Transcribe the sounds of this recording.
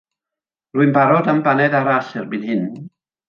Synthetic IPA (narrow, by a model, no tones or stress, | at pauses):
ruɨnbaɾɔdambanɛdaɾaɬɛrbidhɪn